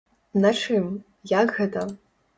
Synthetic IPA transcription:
nɐt͡ʂɨm | jakɣɛt̪ɐ

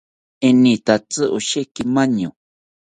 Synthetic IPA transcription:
enĩt̪at͡sɨʔuʃekimãɲõ

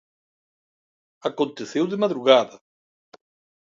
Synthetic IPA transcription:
akõnt̪eθewðɪmaðɾuɣaðɐ

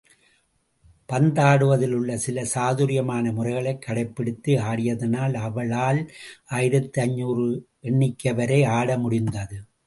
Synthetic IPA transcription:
pɐnd̪aːɽɯʋɐðɪlɯɭːɐsɪlɐsaːðuɾɪjɐmaːnɐmʊrɐɪɣɐɭɐɪkːɐɽɐɪpːɛɽɯt̪ːɯaːɽɪjɐðɐnaːlɐʋɐɭaːlʔaːjɪɾɐt̪ːɯɐɲːuːɾɯ | ɛɳːɪkːɐʋɐɾɐɪaːɽɐmʊɽɪnd̪ɐðɯ

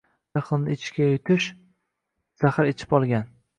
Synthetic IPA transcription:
jaχlˠɨnɪɪt͡ʃʰkʲajʊt̪ʰɪʃ | z̥ahaɾet͡ʃʰɪ̥pɒlˠɡʲan

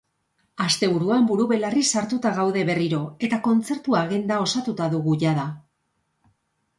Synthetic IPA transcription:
ast̪e̞βuɾuambuɾuβe̞larisaɾt̪ut̪aɣawðe̞βe̞riɾo̞e̞t̪ako̞nt͡se̞ɾt̪uaɣend̪ao̞sat̪ut̪aðuɣuʝaða

